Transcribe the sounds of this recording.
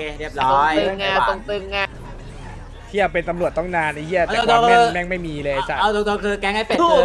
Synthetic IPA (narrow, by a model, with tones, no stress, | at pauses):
ɾi˥˩əp̚ɾɔː˧˦˥ŋa˧˩o˧ŋt̪ɯ˧ŋːa˧ | t̪ʰi˥˩ə˨˩wpe˧nt̪a˧mɾu˨˩ət̪t̪ɔ˥˩ŋnaː˧nːa˧t̪ʰi˥˩a˧˩ɛ˨o˧oː˥˧mɯː˧mɛː˥˩ŋma˥˩jmiː˧lɤː˧t͡ɕʰa˦˩a˧˩t̪o˧ŋt̪o˧ŋkʰɯː˧kɛː˦˥ŋha˥˩pe˨˩˥